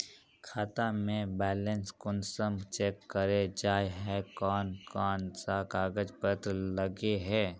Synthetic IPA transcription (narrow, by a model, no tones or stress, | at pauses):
kʰaːt̪amẽbɛːlə̃nskʊnsəmt͡ʃeːkːəɾed͡ʒaːjɦɛkɔːnkɔːnsakaːɡəd͡ʒpət̪ɾləɡeɦɛː